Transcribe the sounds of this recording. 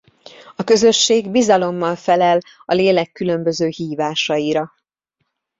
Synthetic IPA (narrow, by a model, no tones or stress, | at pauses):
ɒkø̞zø̞ʃːeːɡbizɒlo̞mːɒlfɛlɛl | ɒleːlɛkːylø̞mbø̞zøːhiːvaːʃɒiɾɒ